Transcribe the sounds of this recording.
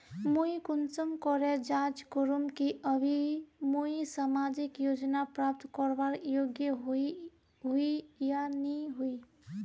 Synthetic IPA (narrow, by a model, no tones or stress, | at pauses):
muikʊnsəmkɔɾed͡ʒat͡ʃkoɾumkiʔəbʱimuisamad͡ʒikjod͡ʒnapɾap̚t̪kɔɾbaɾjoɡjəɦi | ɦuijaniɦui